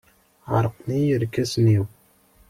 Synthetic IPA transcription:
ʕə̰ɾˤqnijəɾkæsniw

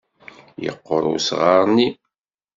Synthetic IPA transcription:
jə̰qːoɾˤṵsʁɑɾˤni

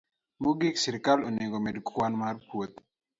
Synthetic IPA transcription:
moɡiksiɾkaloneŋɡomedkwanmarpwot̪

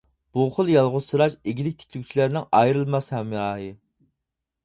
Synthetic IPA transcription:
b̥uχəlˠjɑlˠʁʊz̥sɨɾɑʃeɡʲilɪk̚ʲt̪ʰe̥kʲlykʲt͡ʃʰilæɾnɪŋɑjɾɨlˠmɑshɛmːɑːɦɨ

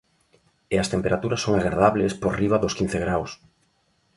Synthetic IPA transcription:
eɐst̪empeɾat̪uɾɐsːoŋaɣɾaðaβlespoɾriβ̞aðʊskin̟θeɣɾaws

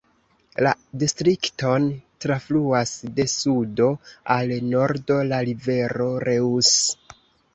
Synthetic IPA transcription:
ladistɾikto̞ntɾafluasde̞sudo̞alno̞ɾdo̞laɾive̞ɾo̞ɾe̞us

